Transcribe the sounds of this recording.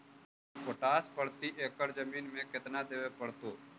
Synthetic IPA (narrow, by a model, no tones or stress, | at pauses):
poʈaːspəɽt̪iʔeːkəɾd͡ʒəmiːnmẽkɪt̪nad̪eːʋepəɽt̪oː